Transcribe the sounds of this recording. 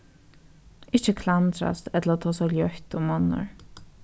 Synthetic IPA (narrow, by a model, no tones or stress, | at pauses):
ɪçt͡ʃəkʰlant̪ɾa̰st̪ɛt̪ləɾːt̪ʰɔːsɔljœht̪ʊmːɔnːə̰ɹ